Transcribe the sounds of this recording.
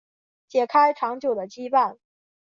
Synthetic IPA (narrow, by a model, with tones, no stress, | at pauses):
t͡ɕjɛ˨˩kʰa˥ɪʈ͡ʂʰɑ˧˥ŋt͡ɕjo˨˩ʊd̪ə˦˩t͡ɕi˥pa˥˩n